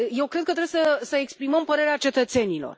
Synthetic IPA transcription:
je̞wkɾed̪̚kət̪ɾebesəsəekspɾiməmpəɾe̞ɾeat͡ʃe̞t̪ət̪se̞nilo̰r

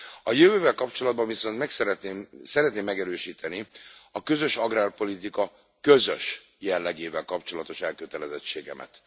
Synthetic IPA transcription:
ɒjøvøːvɛlkɒpt͡ʃo̞lɒd̪bɒɱviso̞nt̪mɛksɛɾɛt̪neːmsɛɾɛt̪neːmːɛɡɛɾøːʃiːt̪ɛniɒkø̞zø̞ʃɒɡraːrpo̞lit̪ikɒ | kø̞zø̰ʃ | jɛlːɛɡeːvɛlkɒpt͡ʃo̞lɒt̪o̞ʃɛlkøt̪ɛlɛzɛt͡ʃːeːɡɛ̰mʔɛ̰t̪

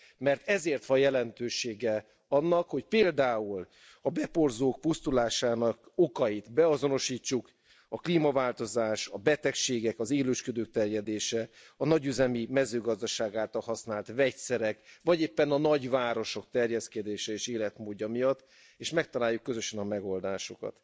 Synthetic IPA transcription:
mɛrt̪ɛzeːrt̪ʋɒjjɛlɛnt̪øːʃeːɡɛ | ɒnːɒkho̞cpeːld̪aːul | ɒbɛpo̞rzoːk̚pust̪ulaːʃaːnɒko̞kɒjit̪bɛɒzo̞no̞ʃiːt͡ʃːuk | ɒkliːmɒvaːlt̪o̞zaːʃɒbɛt̪ɛkʃeːɡɛkɒzeːløːʃkød̪øːk̚t̪ɛrjɛd̪eːʃɛ | ɒnɒɟyzɛmimɛzøːɡɒzd̪ɒʃaːɡaːlt̪ɒlɦɒsnaːlt̪vɛcsɛɾɛkvɒɟeːpːɛnɒnɒɟvaːɾo̞ʃo̞k̚t̪ɛrjɛskɛd̪eːʃɛeːʃeːlɛt̪moːɟːɒmijɒt̪ː | eːʃmɛk̚t̪ɒlaːjːukːøzø̞ʃɛnɒmɛɡo̞ld̪aːʃokɒ̰t̪

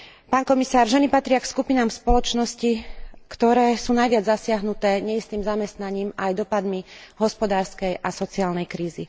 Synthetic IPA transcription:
paːnkɔmisaːɾʒɛnipat̪ɾɪakskupinaːmspɔlɔt͡ʃnɔscikt̪ɔɾɛːsuːnajʋɪad͡zzasɪaɦnut̪ɛːɲɛist̪iːmzamɛst̪naɲiːmajd̪ɔpad̪miɦɔspɔd̪aːɾskɛjʔasɔt͡siaːlnɛjkɾiːzi

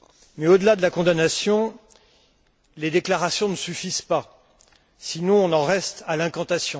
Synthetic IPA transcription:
mɛod̪əlad̪əlakɔ̃d̪anasjɔ̃ | led̪eklaʁasjɔ̃nəsyfizpa | sinɔ̃ɔ̃nɑ̃ʁɛst̪alɛ̃kɑ̃t̪asjɔ̃

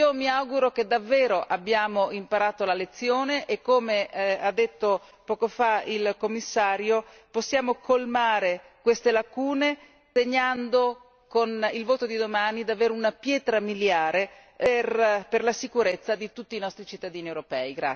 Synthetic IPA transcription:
omiawɡuɾoked̪ːavːeːɾoʔabːjaːmoimpaɾaːt̪olalet̪sːjoːneʔekːomead̪ːet̪ːo | pɔːkofailkomːisːaːɾjo | posːjaːmokolmaːɾe | kwest̪elakuːne | t̪eɲand̪o | konilvoːt̪od̪id̪omaːnid̪aveːɾeunapjɛːt̪ɾamiljaːɾe | rperlasikuɾet̪sːad̪it̪ut̪ːiːnɔst̪ɾit͡ʃit̪ːad̪iːniewɾopɛːiɡɾa̰

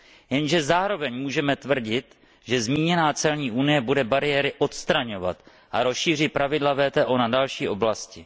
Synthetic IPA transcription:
jɛnʒɛzaːɾo̞vɛɲmuːʒɛmɛt̪vr̩ɟɪt̪ | ʒɛzmiːɲɛnaːt͡sɛlɲiːʔunɪjɛbudɛbaɾɪjɛɾɪʔo̞t̪st̪ɾaɲo̞va̰t̪ | ʔaɾo̞sʃiːr̝ɪt̪̚pɾavɪdlavɛːt̪ɛːʔonadalʃiːʔo̞blascɪ

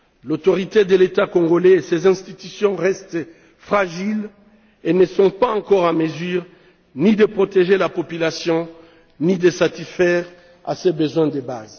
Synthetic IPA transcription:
lot̪ɔʁit̪ed̪əlet̪akɔ̃ŋɡolɛesezɛ̃st̪it̪ysjɔ̃ʁɛst̪ | fχaʒil | enəsɔ̃paɑ̃kɔʁɑ̃məzyːʁ | nid̪əpχot̪eʒelapɔpylasjɔ̃ | nid̪əsat̪isfɛʁ | a̰sebəzwɛ̃d̪əba̰z

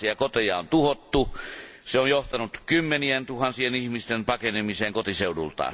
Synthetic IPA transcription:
iɑkot̪ejɑont̪uhot̪ːuseonjoht̪ɑnut̪kymːenient̪uhɑnsienihmist̪empɑkenemiseːŋkot̪iseudṵlt̪ɑ̰ːn

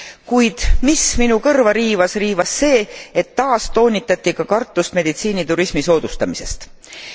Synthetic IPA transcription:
kujd̪̥misminukɤrvɑɾiːvɑsriːvɑsːe̞ːet̪ːɑːst̪o̞ːnʲit̪ːˑɑt̪ʲːˑikɑkɑrt̪ːˑust̪me̞d̪̥it̪siːnit̪uɾismiso̞ːd̪̥ust̪ɑmise̞st̪

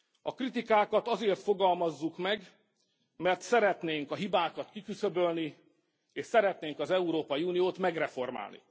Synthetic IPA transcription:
ɒkrit̪ikaːkɒt̪ɒzeːrt̪fo̞ɡɒlmɒzːukmɛɡ | mɛrt̪sɛɾɛt̪neːŋkɒɦibaːkɒt̪kikysøbølni | eːʃsɛɾɛt̪neːŋkɒzɛuɾoːpɒjiuːnijoːt̪mɛɡrɛfo̞rma̰ːlnḭ

